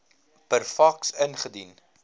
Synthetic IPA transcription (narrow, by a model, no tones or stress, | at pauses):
pərfɐksənχədin